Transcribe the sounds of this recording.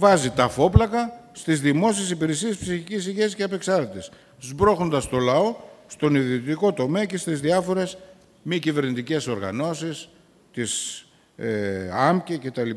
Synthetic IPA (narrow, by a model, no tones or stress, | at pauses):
vɐzit̪ɐfo̞plɐkɐst̪izðimo̞sie̞sipiɾesiespsiçicis̬iʝesceɐpe̞ksɐɾt̪it̪e̞s | zbɾo̞xo̞nd̪ɐst̪o̞lɐo̞st̪o̞niðiot̪iko̞t̪o̞meɐce̞st̪izðiɐfo̞ɾe̞s | micive̞ɾnit̪ice̞so̞ɾɣɐ̰no̞sis | t̪is | eɐmcece̞t̪ɐli